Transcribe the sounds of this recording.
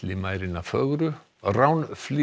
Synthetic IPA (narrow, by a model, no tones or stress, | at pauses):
lɪmaːjɾɪnafœɣɾʏ | rawnfli